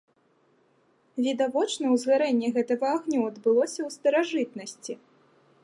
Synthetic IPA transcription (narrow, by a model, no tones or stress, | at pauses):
vʲid̪avɔt͡ʂnɐwzɣaɾɛnʲːɛɣɛt̪ɐɣɐaɣnʲuɐd̪bɨlˠɔsʲɐwst̪ɐɾaʐɨt̪nɐsʲt͡sʲi